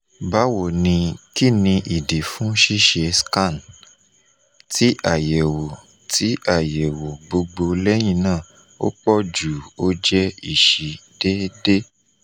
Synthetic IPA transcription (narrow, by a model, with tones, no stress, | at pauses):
ba˨˦wo˨nĩ˧ki˦˨nĩ˧ʔi˨di˨fũ˨˦ʃi˦ʃe˧skã˦˨n | tʰi˨˦ʔa˦˨je˨wo˨ | tʰi˨˦a˦˨je˨wo˨ɡ͡bo˧ɡ͡bo˧lɛ˦j̃ĩ˧˨nãː˦˨ | o̰˦k͡pɔ˦d͡ʒu˨o˦d͡ʒɛ˦i˦˨ʃi˨de˦de˦